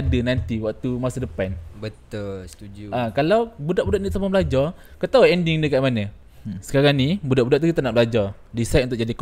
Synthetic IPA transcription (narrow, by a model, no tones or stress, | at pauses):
adənant̪iwaʔt̪umasadəpanbət̪əst̪uakalawbudaʔbudaʔnsamabəlad͡ʒar | kət̪auɛndiŋdəkaʔmanə | sə̥kaɾaŋnibudaʔbudaʔ̚t̪uɡit̪anaʔbəlad͡ʒar | disajt̪̚nt̪ʊʔ̚d͡ʒadik